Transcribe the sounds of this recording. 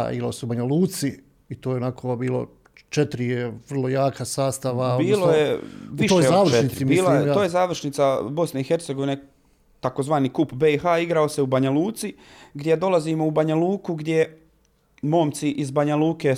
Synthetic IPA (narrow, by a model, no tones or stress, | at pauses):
ḭlo̰seubaɲaluːt̪si | it̪oːjeonakʰobiːlˠo̰ | t͡ʃet̪ɾijeʋr̩lˠojaːkʰasaːst̪aʋaobiːlˠojeʋiʃoeaːʋrʃenit̪ɾimbiːlajet̪ojezaːʋr̩ʃnit̪sabo̞sne̞ixe̞ɾt̪se̞ɡo̞ʋine | t̪ako̞zʋaːnikupbe̞ixaːiɡɾao̞se̞ubaɲaluːt̪si | ɡd̪jed̪o̞lˠazimo̞ubaɲaluːkuɡd̪je̞ | mo̞ːmt̪siʔizbaɲaluːke̞ː